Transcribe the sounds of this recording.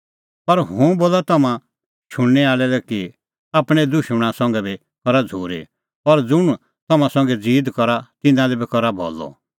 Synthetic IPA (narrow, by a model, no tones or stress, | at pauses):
pɐɾɦũboːlat̪ɐmã | t͡ʃʰʊɽ̃nɛaːlɛlɛki | aːpɽ̃ɛd̪ʊʃmɽ̃ãsɔ̃ŋɡɛbi | kɔɾad͡zʱuːɾḛ | ɔɾd͡zʊɽ̃ | t̪ɐmãsɔ̃ŋɡɛd͡ziːd̪kɔɾat̪ɪ̃nãlɛbɛkɔɾabʱɔ̰lɔ̰